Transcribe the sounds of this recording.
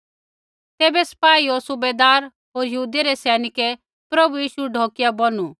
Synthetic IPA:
t̪eːbɛsɐ̥paːiosʊbed̪aːɾ | ɦoːɾjɐɦuːd̪eɾɛsɛːnɪkɛ | pɾɐbujiːʃuɖʱɔːkɪjabɐnu

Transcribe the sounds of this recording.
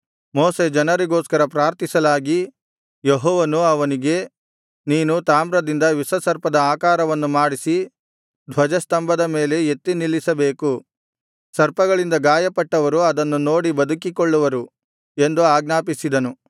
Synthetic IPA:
moːsed͡ʒɐnɐɾiɡoːskɐɾɐpɾaːɾt̪isɐlaːɡi | jeɦɔːʋɐnuɐʋɐniɡe̞ | niːnut̪aːmɾɐd̪ind̪ɐʋisɐsɐɾpɐd̪ɐaːkaːɾɐʋɐnːumaːɽisi | d̪ʱʋɐd͡ʒɐst̪ɐmbɐd̪ɐme̞ːle̞et̪ːinilːisɐbe̞ːku | sɐɾpɐɡɐɭind̪ɐɡaːjɐpɐʈːɐʋɐɾuɐd̪ɐnːuno̞ːɽibɐd̪ukikɔɭːuʋɐɾu | e̞nd̪uaːɡnaːpisid̪ɐnu

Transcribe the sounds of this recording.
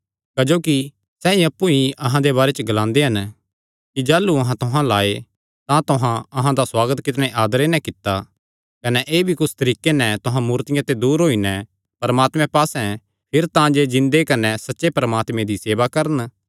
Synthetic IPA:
kɐd͡ʒoːki | sɛĩɐpːuiʔɐɦãd̪eβaːɾɛt͡ʃəɡɐlãːnd̪eɦɐn | kid͡ʒaːlːuɐɦãt̪ʊɦãlaːe | t̪ãt̪ʊɦãɐɦãd̪aswaːɡət̪kɪt̪ñeʔaːd̪əɾenɛ̃kɪt̪ːa | kɐnɛʔeːbʱikʊsʰt̪ɐɾiːkenɛ̃t̪ʊɦãmuːɾt̪ɪjãt̪ed̪uːɾɦoːinɛ̃ | pɐɾmaːt̪mɛ̃paːsɛ̃ | pʰɪɾt̪ãd͡ʒed͡ʒɪ̃nd̪ekɐnɛsɐtːʃepɐɾəmaːt̪mẽd̪iseːʋakɐɾən

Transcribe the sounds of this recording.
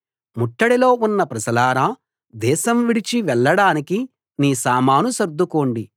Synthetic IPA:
muʈːɐɽilo̞ːunːɐpɾɐsɐlaːɾaː | d̪ɛːʃɐmʋiɽit͡ʃiʋɛɭːɐɽaːniki | niːsaːmaːnusɐɾd̪ːukoːɳɖi

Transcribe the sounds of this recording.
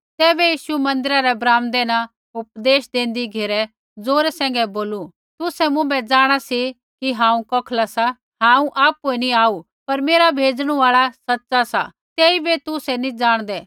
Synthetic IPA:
t̪ɛːbɛjiːʃumɐ̃nd̪ɪɾaɾɛbɾaːmd̪eːña | ʊp̚d̪eːʃd̪ẽːnd̪iɡʱeɾɛ | d͡zoːɾɛsɛ̃ːŋ̆ɡɛboːlu | t̪ʊsɛmʊ̃bɛd͡zaːɽ̃asi | kiɦãːũkɔːkʰlasa | ɦãːũʔaːpːoinĩaːu | pɐɾmeːɾabʱeːd͡zɽ̃ũaːɭasɐtːsasa̰ | t̪ɛːibet̪ʊsɛnĩd͡zaːɽ̃d̪ɛː

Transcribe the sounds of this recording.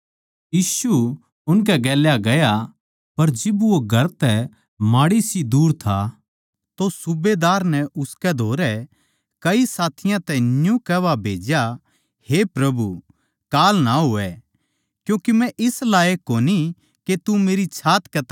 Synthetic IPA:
jiːsu | ʊnk̬ɛɡɛːljaɡɐja | pɐɾd͡ʒɪbʋoɡʱɐɾt̪ɛ | maːɽisid̪uːɾt̪ʰa | t̪osʊbed̪aːɾnɛʊskɛd̪ʱoːɾɛ | kɐisaːt̪ʰɪjãt̪ɛnjũkɛːʋabʱeːd͡ʒja | hepɾɐbu | kaːlnaɦoːɛ | kjũːkemɛ̃ʔɪslaːekoːni | ket̪umeːɾit͡ʃʰaːt̪kɛt̪

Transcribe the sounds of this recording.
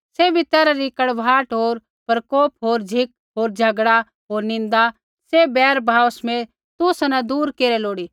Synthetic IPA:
seːbʱit̪eɾaɾikɐɽʋʱaːʈɦoːɾ | pɐɾkoːpɦoːɾd͡ʒʱɪk̚ | ɦoːɾd͡ʒʱɐɡɽa | ɦoːɾnɪ̃n̆d̪a | sebɛːɾbʱaːosmẽ | t̪ʊsnãd̪uːɾkeːɾɛloːɽi

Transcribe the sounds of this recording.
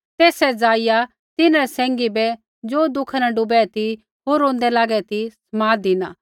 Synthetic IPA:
t̪eːsɛd͡zaːɪja | t̪ɪnãɾɛsɛ̃ːŋɡibɛ | d͡ʒoːd̪ʊkʰanɛɖʊbɛt̪i | ɦoːɾõːnd̪ɛlaːɡɛt̪ismaːd̪ɪnaː

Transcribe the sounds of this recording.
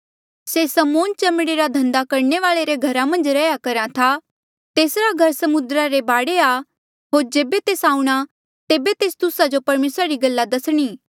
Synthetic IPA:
sesɐmoːnt͡ʃɐmɽeɾad̪ʱɐ̃nd̪akɐɾɳeʋaːɭeɾeɡʱɐɾamɐ̃nd͡ʒɾɛːjakɐɾãt̪ʰa | t̪eːsɾaɡʱɐɾsɐmʊnd̪ɾaɾebaːɽea | ɦoːɾd͡ʒeːbet̪eːsãːũɽ̃a | t̪eːbet̪eːst̪ʊsad͡ʒopɐɾmeːsɾaɾiɡɐlːad̪ɐsɽ̃iː

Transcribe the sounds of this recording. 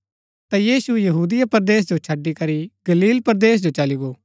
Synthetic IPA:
t̪ajiːsujɐɦuːd̪ɪjapɐɾd̪eːs̬d͡ʒot͡ʃʰɐɖikɐɾiɡ̥ɐliːlpɐɾd̪eːs̬d͡ʒot͡ʃɐliɡoː

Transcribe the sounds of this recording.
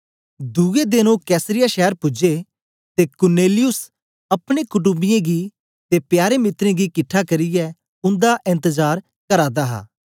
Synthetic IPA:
d̪ued̪ɪnõkɛːsɾɪjaːʃɛːəɾpʊd͡ʒe | t̪eːkʊɾneːlɪjʊs | ɐpɽ̃eːkʊʈ̬ʊbɪjẽɡi | t̪epjaːɾemɪt̪ɾẽːɡikɪʈʰːakɐɾɪjɛ | ʊ̃nd̪aʔɪ̃nt̪əzaːɾ | kəɾaːd̪aːɦa̰ː

